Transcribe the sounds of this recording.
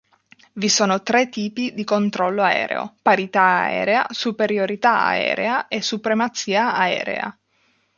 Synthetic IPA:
visoːnot̪ɾɛt̪ːiːpid̪ikont̪ɾɔlːoaɛ̰ːɾḛo̰paɾit̪aaɛ̰ːɾea̰supeɾjoɾit̪aa̰ɛ̰ːɾeaesupɾemat̪siːaːɛ̰ːɾḛa̰

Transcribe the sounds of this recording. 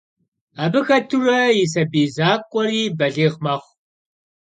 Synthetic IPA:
aːbɨxɐtʰurɐjɪs̬ɐbiːzaːkʷʼɔɾiːbɐɮeːʁmaːχʷ

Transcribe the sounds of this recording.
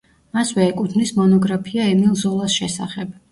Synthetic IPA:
maswɛːkʼut̪ʰnismɔnɔɡɾapʰiaɛmilˠzɔlˠasʃɛsa̰χɛb̥

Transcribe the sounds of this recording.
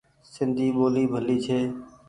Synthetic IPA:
sɪnd̪ʱiːɓoːliːbʱəliːt͡ʃʰeː

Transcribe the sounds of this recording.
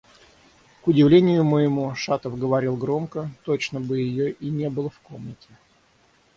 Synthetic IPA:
kʊdʲɪvlʲenʲɪjʊməjɪmuʂat̪əfɡəvɐɾʲilˠɡɾo̞mkət̪ot͡ɕnəbɨjɪjoʔinʲe̞bɨlˠəfkomnʲətʲɪ

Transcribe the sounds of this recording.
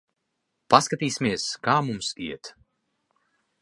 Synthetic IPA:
paskat̪iːsimiɛskaːmumsḭɛt̪

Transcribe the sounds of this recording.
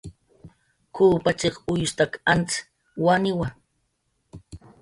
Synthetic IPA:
kʰuːpat͡ʃeχʊjʊst̪akant͡s | wanɪwa

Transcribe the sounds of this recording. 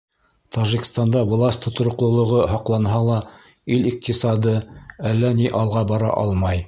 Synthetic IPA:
t̪ʰɑʒikst̪ɑnd̪ɑvlˠɑsʲt̪ʰŏt̪ŏɾŏqlˠŏlˠŏʁɤɦɑqlˠɑnɦɑlˠɑ | iliq̚t̪isɑd̪ɤælːæniʔɑlˠʁɑbɑɾɑ̰ʔɑ̰lˠmɑj

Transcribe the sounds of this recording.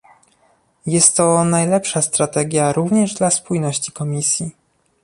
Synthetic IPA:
jɛst̪ːɔnajlɛpʂast̪ɾat̪ɛɡʲjaɾuvɲɛʐd̪laspujnɔɕt͡ɕi̥kɔmʲisʲji

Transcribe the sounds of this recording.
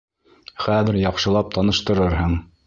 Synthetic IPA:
χæðɘɾjɑqʃɤ̆lˠɑp̚t̪ʰɑnɤ̆ʃt̪ɤ̆ɾɤɾɦɤɴ

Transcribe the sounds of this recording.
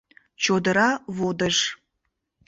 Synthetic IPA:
t͡ʃʰodɐɾavodɐʒ

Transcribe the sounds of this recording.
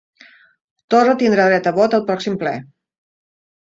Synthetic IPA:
t̪orət̪ind̪ɾaðɾɛt̪əβot̪əlˠpɾɔksimplɛ̰

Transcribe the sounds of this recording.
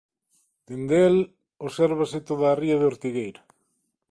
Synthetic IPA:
d̪̥end̪el | osɛɾβasɪt̪oðaːriaðeoɾt̪iɣejɾa

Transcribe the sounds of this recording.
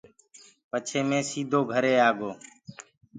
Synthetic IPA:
pət͡ʃʰeːmẽːsiːd̪ʱoːɡʱəɾeːaːɡoː

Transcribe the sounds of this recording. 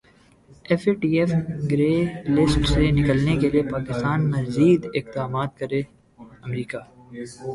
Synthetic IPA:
ɛfeʈiːefɡɾeːlɪsʈsenɪkəlnekeliepaːkɪst̪aːnmɐziːd̪ɪq̚d̪aːmaːt̪̚kɐɾe | ɐmɾiːkaː

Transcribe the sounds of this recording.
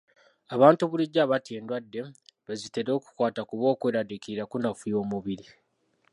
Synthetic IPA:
aβaːntuβuliɟːaːβatieːndwadːeβezite̞ɾo̞ːku̥kwaːtakuβo̞ːkwe̞ːɾadikiiɾakunafujo̞ːmuβiɾi

